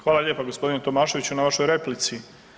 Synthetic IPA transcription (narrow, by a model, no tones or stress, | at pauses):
xʋaːlˠaʎe̞ːpaɡo̞spo̞d̪inet̪o̞maːʃe̞ʋit͡ɕunaʋaʃo̞jɾe̞plit̪si